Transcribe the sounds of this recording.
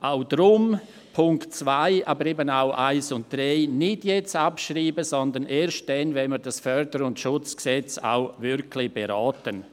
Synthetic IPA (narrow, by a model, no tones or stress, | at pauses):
ʔaʊd̥ɾʊm | pʰʊŋktt͡svaɪʔaːbəɾeːbənaʊʔaɪsʊnt̚d̥raɪnɪdjɛt͡sapʃɾiːbəzɔndənʔeːʃt̚d̥ɛnvɛnmiːɾdasfœɾdəɾʊntʃʊt͡sksɛt͡sa̰ʊvɪɾkʰlɪb̥eɾaːtən